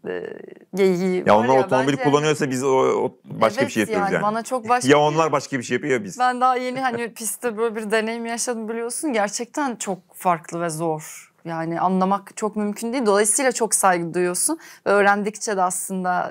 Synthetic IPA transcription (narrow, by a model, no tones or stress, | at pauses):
ɛ̰ː | ɟe̞jija̰onˠaɾot̪ʰomobilʲikulˠːanɯjoɾsabiz | ba̰ʃkabiʃejajaːnja̰banat͡ʃʰo̞k̚baʃjaonlˠaɾbaʃkabiʃejːapɯjobiz̥bænd̪aɦaje̞niɦanɪpʰist̪ʰɛbøːlʲeɛbiɾd̪e̞ne̞jimijaʃad̪ɯmbilʲijo̞sunɟæɾt͡ʃʰɛc̚t̪ʰænt͡ʃʰo̞k̚faɾklˠɯvɛzo̞ɾ̥ | jaːnɪʔanlˠamakt͡ʃʰokmymcʰynd̪ijːlʲd̪o̞lˠajɯsɯjlʲˠat͡ʃʰo̞ksajɡɯd̪ujjo̞sunvɛøːɾænd̪ict͡ʃʰɛd̪ɛaslˠɯnd̪a